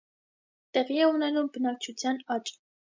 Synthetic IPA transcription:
t̪ɛʁiɛunɛnumbənɑk̚t͡ʃʰut͡sʰjɑnɑt͡ʃʼ

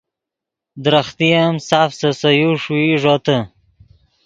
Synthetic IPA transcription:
d̪ɾaχt̪iamsafsəsajuʂuiʐot̪ə

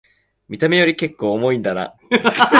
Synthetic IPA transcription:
mʲit̪ame̞jo̞ɾʲike̞kːo̞ːmo̞ĩnd̪ana̰

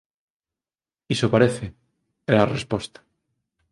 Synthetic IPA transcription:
isopaɾeθe | eɾarḛspost̪ḁ

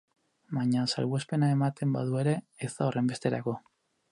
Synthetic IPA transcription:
baɲasa̰lβwespe̞nae̞mat̪e̞mba̰ðue̞ɾe̞ːst̪aorʔe̞mbe̞st̪e̞ɾa̰ko̞

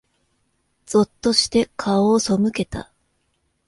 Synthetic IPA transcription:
d͡z̥o̞t̪ːo̞ɕi̥t̪e̞kʰaoːso̞mɯ̟ke̞t̪a̰

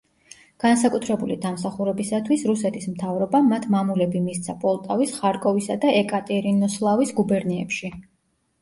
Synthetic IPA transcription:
ɡ̥ansakʼut̪ʰɾɛbulid̪amsaχuɾɛbisat̪ʰwisɾusɛt̪ʰismt̪ʰavɾɔbamat̪ʰmamulɛbimist̪sʰapʼɔlˠt̪ʼavisχaɾkʼɔvisad̪aʔɛkʼat̪ʼɛɾinɔslˠavisɡubɛɾnɛɛ̰pʃi

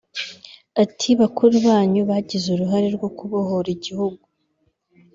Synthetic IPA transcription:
atʰiβakuɾuβaːɲuβaɟizuɾuɦaɾeɾɡo̞kuβohoɾiɟihuɡu

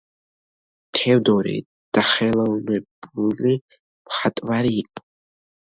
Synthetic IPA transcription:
t̪ʰɛwd̪ɔɾḭ | d̪̥aχɛlalnɛbuli | mχat̪ʼvaɾiːkʷʼ

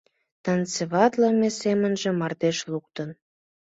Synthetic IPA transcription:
t̪ɑnt͡siβɑt̪ləmesemənʒĕmɑrd̪eʃluk̚t̪ən

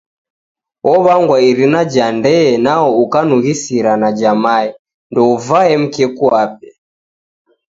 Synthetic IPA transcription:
ɔβaŋɡwaiɾinad͡ʒandɛɛnaɔukanuɣisiɾanad͡ʒamaɛ | ndɔuvaɛm̩kɛkuap̚ɛ

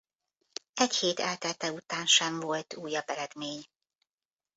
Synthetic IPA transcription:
ɛcheːt̪ɛlt̪ɛt̪ɛut̪aːnʃɛɱvo̞lt̪uːjɒbɛlɛd̪meːɲ

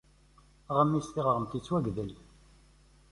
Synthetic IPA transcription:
ʁəmːist̪iʁəʁəmt̪it͡sːwæɡðəl

